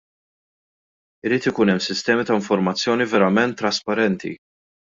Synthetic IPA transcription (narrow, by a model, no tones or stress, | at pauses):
ɪɾiːt̪ɪkuːnɛmːsɪst̪ɛːmit̪ɐɪɱfɔɾmɐt͡sːjɔːnivɛɾɐmɛnt̪ːɾɐspɐɾɛnt̪ḭ